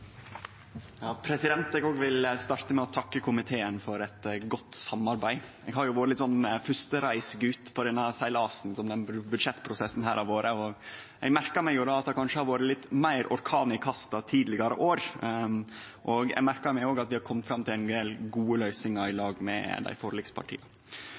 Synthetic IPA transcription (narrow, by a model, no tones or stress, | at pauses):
jɑːpʰɾɛsɪd̪ɛnt̪ɛːɡoːɡʋɪlst̪ɑɾt̪əmɛɔt̪ʰɑkːəkʰʊmɪt̪ʰeːənfɔɾɛt̪ɡɔt̪ːsɑmːɑɾbæɪ | ɛɡhɑɾjʊʋoːɾəlɪt̪sɔnːfʉst̪əɾæɪsɡʉːt̪ːpʰɔd̪ɛnːəsæɪlɑːsn̩sɔmd̪ɛnbʉd̪ʂɛt̪ːpʰɾʊsɛsːn̩ɦæːɾɑʋoːɾəɔ | ɛɡmæɾkəɾmæɪjʊd̪ɑɑt̪̚d̪ɑkʰɑnʂəhɑɾʋoːɾəlɪt̪ːmæɪɾʔɔɾkʰɑːnɪkʰɑst̪ɑt̪ʰiːd̪lɪɡɑɾə̰ʔoːɾ | ʔɔɡɛ̰ɡmæɾkəɾmɛɪoːɡɑt̪ʋɪhɑɾkʰɔmːət̪fɾɑmt̪ʰɪlɛnd̪eːlɡuːəlœʏsɪŋɑɾɪlɑːɡmɛ̰d̪æ̰ɪfɔɾlɪkspʰɑ̰ʈʰḭːɑ